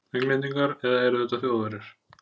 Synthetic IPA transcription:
ɛŋklɛniŋkaɾɛðaɛɾʏθɛt̪ːaθjoːwðaɾɪɾ̥

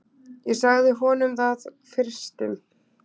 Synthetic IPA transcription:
jɛsaɣðɪɦɔːnʏmθað | fɪr̥st̪ɪn

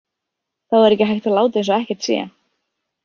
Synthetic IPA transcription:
θaðɛɾɛcɪɦajht̪alaːwt̪ɪejnsɔɛhcɛɾ̥t̪sjɛ̰

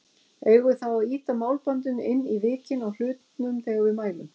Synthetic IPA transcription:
eːjɣʏθawaðiːt̪amaːwlpant̪̬ʏnɪnːivɪːcɪnawl̥ʏːt̪nʏmt̪eːjɣavɪðmaːjlʏm

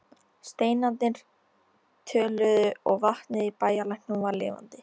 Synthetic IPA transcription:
st̪eːjnant̪nɪnɾ̥ | t̪ʰœːlʏðʏɔɣvaht̪nɪðipaːjalajhknuvaɾlɪ̰ːva̰nt̪ɪ

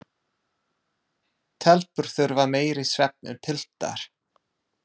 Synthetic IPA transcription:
t̪ʰɛlpʏɾ̥θʏɾvaɾmeːjɾɪsvɛp̚nʏ̰t̪ʰɪl̥t̪a̰ɾ̥

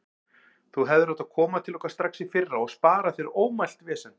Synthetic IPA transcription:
θuɦɛvðʏɾat̪aðkʰɔːmat̪ʰɪlɔkast̪ɾaksifɪrːaɔɣspaːɾaθvɪɾoːwmajl̥t̪vɛːsɛn

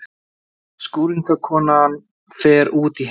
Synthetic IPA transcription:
skuːɾiŋkakʰɔːnan | fɛːɾuːt̪iɦ

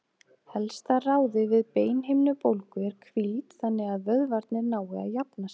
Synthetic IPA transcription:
hɛlst̪araːwðɪvɪðpeːjnɦejmnʏpowlkʏɛɾ̥kʰvilt̪θanːɪɣaðvœðvaɾt̪nɪɾnaːwɪa̰ðjapnas

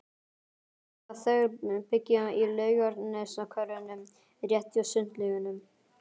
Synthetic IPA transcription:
aðθœɣɾpɪcːʏilœːɥjɔɾt̪nnɛsnakʰœɾʏnʏm | rjɛht̪jɔsʏn̥t̪lɪɣʏnʏm

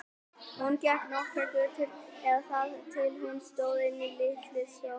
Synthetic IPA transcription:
huncɛhknɔhkɛkʏðt̪ʰɪɛðθaðt̪ʰɪlɦʊnst̪oːwðɪnːilɪhk̪lɪsjo

